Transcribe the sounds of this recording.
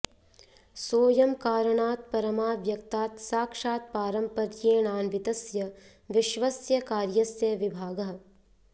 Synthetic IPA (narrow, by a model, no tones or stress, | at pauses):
soːjɐmkaːɾɐɳaːt̪̚pɐɾɐmaːʋjɐkt̪aːt̪saːkʃaːt̪̚paːɾɐmpɐɾjeːnaːnʋɪt̪ɐsjɐ | ʋɪʃʋɐsjɐkaːɾjɐsjɐʋɪbʱaːɡɐɦ